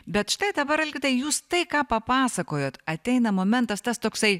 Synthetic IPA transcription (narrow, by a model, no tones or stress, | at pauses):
bʲɛt̪ʃɪ̥t̪ɐɪd̪ɐbɐɾɐlʲɡʲɪt̪ɐɪjuːst̪ɐɪkɑːpɐpɑːsɐkoːjoːt̪ɐt̪ʲɛɪnɐmoːmʲɛnt̪ɐst̪ɐst̪oːksɐɪ